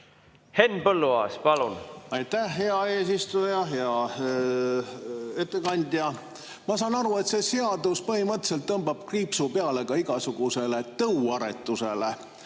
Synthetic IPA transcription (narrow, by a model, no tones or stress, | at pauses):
henpɤlːuɑ̰ːspɑlunɑjt̪ːæhɦe̞ɑe̞ːsist̪ujɑɦeɑ | e̞t̪ːˑe̞kɑnʲd̪̥ʲjɑ | mɑsɑːnɑɾue̞t̪se̞seɑd̪uspɤhimɤt̪ːse̞lt̪ːɤmb̥ɑb̥̚kriːpsupeɑle̞ɡ̥ɑiɡɑsuɡ̥use̞le̞t̪ɤuwɑɾe̞̰t̪ːˑuse̞lḛ